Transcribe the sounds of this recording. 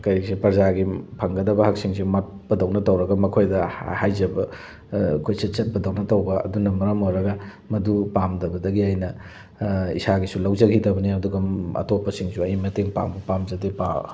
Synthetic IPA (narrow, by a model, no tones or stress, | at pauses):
kɐɾksipɐɾzaɡipʰɐŋɡɐdɐbɐhak̚siŋsimat̚ | pɐdɐwnɐtɐwɾɐɡɐmɐkʰojdɐhajzɐbɐ | kʰojsɐt͡ʃɐt̚pɐdɐwnɐtɐwɡɐɐ̰dunɐmɐɾɐmojɾɐɡɐ | mɐdupamdɐbɐdɐɡiajnɐ | ḭsaɡisulɐwd͡ʒɐɡidɐbɐniɐduɡɐɐ̰topːɐsiŋsuɐjmɐteŋpa̰mbupamzɐdepa